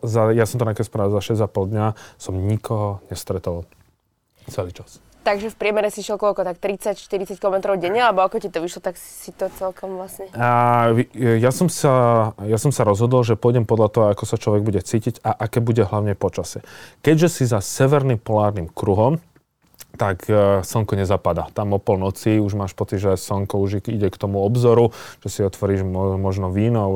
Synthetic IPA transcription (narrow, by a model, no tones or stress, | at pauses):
zajasɔmt̪ɔnakɛspɾaːzaʃɛzapɔlˠd̪ɲasɔmɲikɔɦɔɲɛst̪ɾɛt̪ɔʋal | t͡sʋɛlit͡ʃas | t̪aɡʒɛfpɾɪɛmɛɾɛsiʃɛlkɔlkɔt̪akt̪ɾit͡sacʃt̪iɾit͡sac̚kilɔmɛt̪ɾɔʊɟɛɲaalɛbɔakɔcit̪ɔʋiʃlɔt̪ak | sit̪ɔt͡sɛlkɔmʋlasɲɛ | jasɔmsajasɔmsaɾɔzɦɔd̪ɔlʒɛpɔjɟɛmpɔd̪lʎat̪ɔɦɔakɔsat͡ʃlɔʋɛɡ̚buɟɛt͡siːciɟaʔakɛːbuɟɛɦlaʊɲɛpɔt͡ʃasɛkɛɟʒɛsizasɛʋɛɾnimpɔlaːɾnimkɾuɦɔm | t̪aksɔŋkɔɲɛzapad̪at̪amɔpɔlnɔt͡siuʒmaːʃpɔt͡sid̪ʒɛsɔŋkɔuʒiɟɛkt̪ɔmuɔbzɔɾuʒ̥ɛsiɔt̪ʋɔɾiːʒmɔʒnɔʋiːnɔʊ